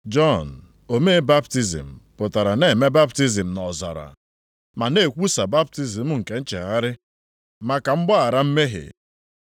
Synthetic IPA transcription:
d͡ʒɔ˦˨n̩˨ | o˨me˦ba˦pti˦zḭ˨m̩˨pʊ˨ta˨ɾa˨ne˨me˦ba˦pti˦zi˨m̩˨nɔ˨za̰˨ɾa̰˨ | ma˨ne˨kʷu˦sa˨ba˦p̚ti˦zi˨m̩˦ŋ̩˨ke˨n̩˦t͡ʃḛ˨ɣa˦ɾɪ˦ | ma˨ka˨m̩˦ɡ͡bɔ˦a˨ɾa˦m̩˦me˦ɦḛ˨

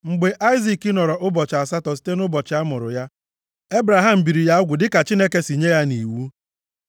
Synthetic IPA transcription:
ŋ͡m̩˨ɡ͡be˨ʔa˦ɪ˦zi˨ki˦nɔ˨ɾɔ˨ʔʊ˦bɔ˨t͡ʃa˨sa˦tɔ˨s̬i̥˦te˦nʊ˦bɔ˨t͡ʃɪ˨a˦mʊ˨ɾʊ̰˨ja˦ | e˦bɾa˨ɦa˦˨m̩˨bi˨ɾi˨ja˦ʊ˦ɡʷʊ˨dɪ˦ka˨t͡ʃi˦ne˦ke˦si˨ɲe˦ja˦ni˨wu˦

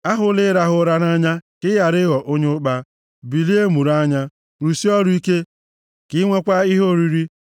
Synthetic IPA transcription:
a˦ɦʊ˦lɪ˦ɾa˦ɦʊ˦ɾa˦na˦ɲa˦kɪ˦ja˨ɾɪ˦ɣɔ˨ʔo˦ɲe˦ʊ˦k͡pa˦ | bi˨li˦e˦mu˨ɾa˦ɲa˦ | ɾu˨si˦ɔ˦ɾʊ˦i˦ke˦ | kɪ˦ŋʷe˦kʷa˦i˦ɦo˦˨ɾi˨ɾi˦

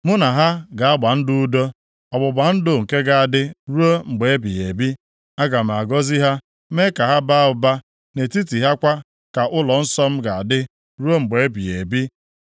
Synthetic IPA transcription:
mʊ˦na˨ɦa˦ɡa˨a˦ɡ͡ba˨n̩˦dʊ˦u˦do˦ | ɔ˨bʊ˨ba˨n̩˦dʊ˨ŋ̩˨ke˦ɡa˨a˨dɪ˦ɾu˦o˦ŋ͡m̩˨ɡ͡be˨e˦bi˨e˨bi˦ | a˦ɡa˨m̩˨a˨ɡɔ˦zi˦ɦa˦ | me˦ka˨ɦa˦ba˦˨ʊ˨ba˦ | ne˨ti˦ti˨ɦa˦kʷa˦ | ka˨ʔʊ˦lɔ˨n̩˦sɔ˦m̩˦ɡa˨a˨dɪ˦ | ɾu˦o˦ŋ͡m̩˨ɡ͡be˨e˦bi˨e˨bi˦

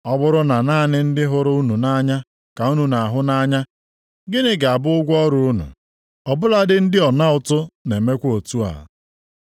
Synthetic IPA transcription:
ɔ˦bʊ˦ɾʊ˦na˨naː˦˨nɪ˦n̩˦dɪ˦ɦʊ˨ɾʊ˦u˦nu˨na˦ɲa˦ | ka˨u˦nu˨na˨a˨ɦʊ˦na˦ɲa˦ | ɡɪ˦nɪ˦ɡa˨a˨bʊ˦ʊ˦ɡʷɔ˦ɾu˦u˦nṵ˨ | ɔ˨bʊ˦la˦dɪ˦n̩˦dɪ˦ɔ˨na˦ʊ˨tʊ˦ne˨me˦kʷo˨tu˦a̰˨

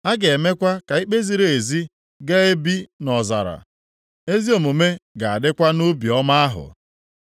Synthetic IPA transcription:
a˦ɡe˨e˨me˦kʷa˦ka˨i˦k͡pe˦zi˨ɾe˨e˨zi˦ | ɡe˦e˦bi˦nɔ˨za̰˨ɾa̰˨ | e˦zi˦o˨mu˨me˦ɡa˨a̰˨dɪ˦kʷa˦nu˦bi˨ɔ˦ma˦a˦ɦʊ̰˨

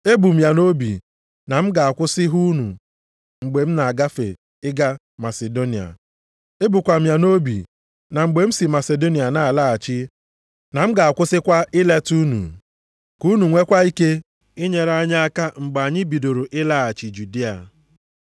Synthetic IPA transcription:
e˦bu˨m̩˦ja˨no˦bḭ˨ | na˨m̩˦ɡa˨a˨kʷʊ˦sɪ˦ɦu˦nu˨ | ŋ͡m̩˨ɡ͡be˨m̩˦na˨a˨ɡa˦fḛ˨ | ɪ˦ɡa˦ | ma˨se˨do˦ni˨a̰˨ | e˦bu˨kʷa˨m̩ja˨no˦bḭ˨ | na˨ŋ͡m̩˨ɡ͡be˨m̩˦si˨ma˨se˨do˦ni˨a˨na˦˨a˨la˦a˨t͡ʃɪ˦ | na˨m̩˦ɡa˨a˨kʷʊ˦sɪ˦kʷa˦ʔɪ˦le˦tu˦nṵ˨ | ku˦nu˨ŋʷe˦kʷa˦i˦ke˦ | i˦ɲe˨ɾa˦ɲa˦a˦ka˦ŋ͡m̩˨ɡ͡ba˨ɲɪ˦bi˨do˨ɾo˨ʔɪ˦la˦a˨t͡ʃi˨d͡ʒu˨di˦a̰˨

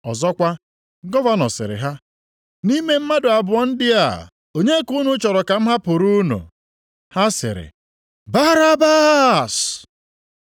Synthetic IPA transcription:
ɔ̰˨zɔ˦kʷa˦ | ɡɔ˦va˦nɔ̰˨sɪ̰˨ɾɪ̰˨ɦa˦ | ni˦me˦m̩˦ma˦dʊ˨a˨bʊ˨ɔ˦n̩˦dɪ˦a̰˨ | o˨ɲe˦ku˦nʊ˦t͡ʃɔ˨ɾɔ˨ka˨m̩˦ɦa˦pʊ˨ɾu˦nṵ˨ | ha˦sɪ̰˨ɾɪ̰˨ | ba˦ɾa˦ba˦s

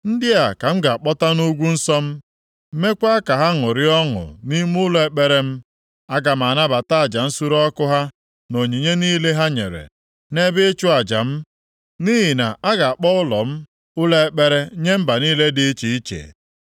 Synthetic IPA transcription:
n̩˦dɪ˦a˨ka˨m̩˦ɡa˨a˨k͡pɔ˦ta˦nu˦ɡʷu˦n̩˦sɔ˦m̩˦ | me˦kʷa˦ka˨ɦa˦ŋʊ˨ɾɪ˦ɔ˦ŋʊ̰˨ni˦m˦ʊ˦lɔ˨e˨k͡pe˦ɾe˦m̩˦ | a˦ɡa˨m˨a˨na˦ba˨ta˦a˨d͡ʒa˨n̩˦su˦ɾɔ˦kʊ˦ɦa˦ | no˨ɲi˨ɲe˦niː˦le˦ɦa˦ɲḛ˨ɾḛ˨ | ne˦bɪ˦t͡ʃʊ˦a˨d͡ʒa̰˨m̩˦ | ni˦ɦɪ˨na̰˨ʔa˦ɡa˨a˨k͡pɔ˦ʊ˦lɔ˨m̩˦ | ʊ˦le˦e˦k͡pe˦ɾe˦ɲe˦m̩˦ba˨niː˦le˦dɪ˨˦t͡ʃi˨i˦t͡ʃḛ˨

